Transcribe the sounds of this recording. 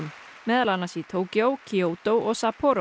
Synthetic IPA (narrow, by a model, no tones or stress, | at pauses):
mmɛːðalanasit̪ʰoːwcjowcʰioːwt̪owʔɔɣsapʰɔːɾ